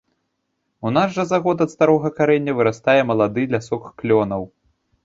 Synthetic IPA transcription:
unaʂʐɐzaɣɔt̪ɐt̪st̪aɾɔɣɐkaɾɛnʲːɐvɨɾast̪ajɛmɐlˠad̪ɨlʲasɔkklʲɔnɐw

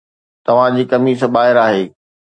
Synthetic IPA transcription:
t̪ɐʋ̤ãd͡ʑiːkɐmisəɓaːɦɪɾaːɦeː

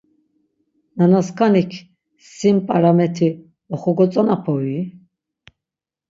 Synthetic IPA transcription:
nanaskʰanikʰ | simpʼaɾamɛt̪ʰi | ɔχɔɡɔt͡sʼanapʰɔi

